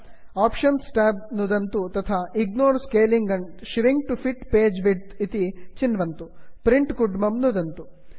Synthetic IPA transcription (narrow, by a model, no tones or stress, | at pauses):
aːpʃɐnsʈaːb̚nud̪ɐnt̪ut̪ɐt̪ʰaːʔiɡnoːɾskeːliŋɡɐɳɖʃɾiŋk̚ʈupʰiʈpeːd͡ʒʋiɖt̪it̪it͡ʃinːʋɐnt̪upɾiɳʈkuɖmɐmnud̪ɐnt̪u